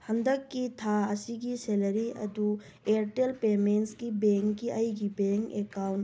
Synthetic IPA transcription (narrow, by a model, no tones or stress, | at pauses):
hɐ̃nd̪əkːit̪ʰaɐsiɡiseləɾiɐ̰d̪u | eɾʈelpeːmeːnʈskibeŋkːiʔɐiɡibẽŋkekawn